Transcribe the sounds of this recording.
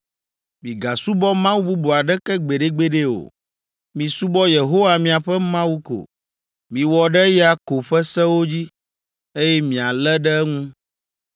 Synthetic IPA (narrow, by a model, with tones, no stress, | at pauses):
mĩ˨ɡa˨su˦bɔ˦mã˦wu˦bu˦bu˨a˨ɖɛ˦kɛ˦ɡ͡be˨ɖe˦ɡ͡be˦ɖe˦o̰˨ | mĩ˨su˦bɔ˦je˨ɦo˦wa˨mĩ˨a˨ɸɛ˦mã˦wu˦ko̰˨ | mĩ˨wɔ˨ɖɛ˦ja˦ko˨ɸɛ˦sɛ˦wo˦d͡ʑi˦ | e˦jɛ˦mĩ˨a˨lɛ˦ɖɛ˦ŋũ˦